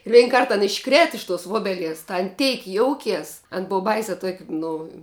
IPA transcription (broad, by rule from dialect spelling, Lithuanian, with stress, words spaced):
ˈʋʲɛɪn ˈkɐrt ɐn ɪʃˈkrʲeːt ɪʃ toːs ˈʋoːbʲɛlʲiɛs tɐ ɐn ˈtʲɛɪk ˈjoːʊkʲeːs ɐn ˈboːʋɐ ˈbɐɪsʲɛ tuɔkʲ ˈnʊ